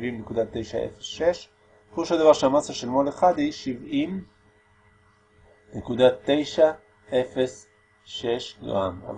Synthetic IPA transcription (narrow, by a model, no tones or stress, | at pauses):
vimnekud̪at̪ːe̞jʃaḛfesʃeʃ | oʃad̪avaʁʃeamasaʃelmoleχad̪hiʃivim | nekud̪at̪ːe̞jʃa | e̞fe̞s | ʃe̞ʃdo̰ama̰v